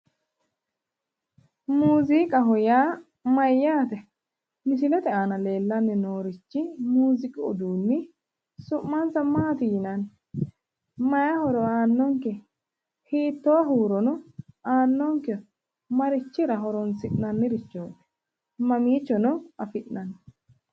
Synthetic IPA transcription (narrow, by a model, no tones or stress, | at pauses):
muːzikʼɐɦɔjaː | mɐjːaːt̪ɛ | nɪsɪlɛt̪ɛaːnɐle̞ːlːɐnːɪnoːɾɪt͡ʃːɪmuːzɪkʼɪɔ̰d̪uːnːɪ | sʊʔːansɐmaːt̪ɪjɪnɐn | mɐjɐhɔɾɔaːnːɔŋkɛ | hiːt̪ːɔwɐɦuːɾɔnɔaːnːɔŋkɛ | mɐɾɪt͡ʃːɪɾɐɦɔɾɔnsɪʔnɐnːɪɾɪt͡ʃːoːᶑɛ̥ | mɐmiːt͡ʃːɔnɔɐfɪʔnɐnː